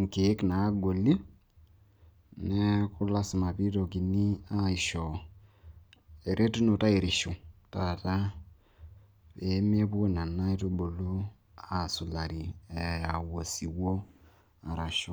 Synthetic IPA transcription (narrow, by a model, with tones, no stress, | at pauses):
ŋke˨˦kna˨˦ɡo˨li˦ | nɛ˦kʊ˦la˦sɪ˨ma˨pi˦to˨ki˨ni˦a˦i˨ʃɔ˨ | e˨ɾʔe˦tu˦no˨ta˦e˨ɾɪ˨ʃo˨ta˨ta˦ | pe˨˦me˦po˦na˨na˦i˦to˦bo˨lu˦ | a˨su˨la˨ɾi˨ɛ˨a˨wo˨si˨wo˦ | a˨ɾa˨ʃo˨˦